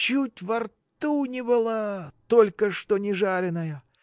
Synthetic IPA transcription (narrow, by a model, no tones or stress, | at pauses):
t͡ɕutʲvɐrtt̪unʲɪbɨlˠat̪olʲkəʂt̪onʲɪʐaɾʲɪnəjə